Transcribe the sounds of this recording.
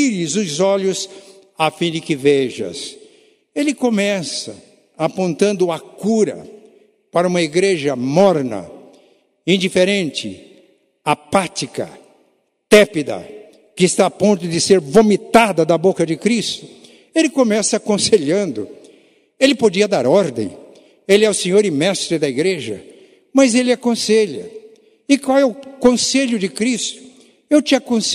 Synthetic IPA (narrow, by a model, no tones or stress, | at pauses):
ilɪzʊzɔʎʊs | afĩd͡ʒɪkɪveʒɐ̰s | elɪkomɛsɐ | apõnt̪ɐ̃nd̪ʊɐkuɾɐ̰ | paɾɐũmɐiɡɾeʒɐmɔɾnɐ̰ | ĩnd͡ʒifeɾẽnt͡ʃɪ̰ | apat͡ʃikɐ̰ | t̪ɛpid̪ɐ̰ | kɪːst̪aːpõnt̪ʊd̪ɪseɾvomit̪ad̪ɐd̪ɐbokɐd͡ʒɪkɾist̪ʊ̥ | elɪkõmɛsɐːkõseʎɐ̃nd̪ʊ | elɪpod͡ʒiɐd̪aɾɔɾd̪ḛ̃j̃ | elɪɛʊsẽɲoɾɪmɛst̪ɾɪd̪ɐiɡɾeʒɐ̰ | mɐzelɪakõseʎɐ̰ | ɪkwawɛʊkõseʎʊd͡ʒɪkɾist̪ʊ̥ | ewt͡ʃɪakõs